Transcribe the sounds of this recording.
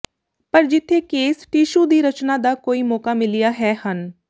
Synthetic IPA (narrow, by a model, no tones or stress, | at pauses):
pəɾd͡ʒɪt̪ʰːeːkeːsʈiːʃuːd̪iːɾət͡ʃnaːd̪aːkoːiːmɔːkaːmɪlɪjaːɦɛːhən